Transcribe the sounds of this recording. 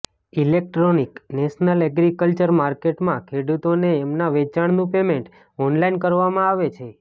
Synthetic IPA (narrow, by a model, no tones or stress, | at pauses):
ilek̚ʈɾoniknɛʃnəlɛɡɾikəlt͡ʃəɾmaɾkeʈmãkʰeɽut̪oneɛmnaʋet͡ʃaɳnũpemẽɳʈ | ɔnlainkəɾʋamãaʋet͡ʃʰe